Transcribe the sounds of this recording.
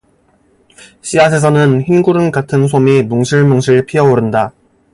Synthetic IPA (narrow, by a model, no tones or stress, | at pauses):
ɕ͈ʰias̬ʰe̞s̬ʰʌnɯnçinɡuɾɯnɡatʰɯnsʰomimoŋɕʰiɭmoŋɕʰiɭpʰiʌoɾɯnda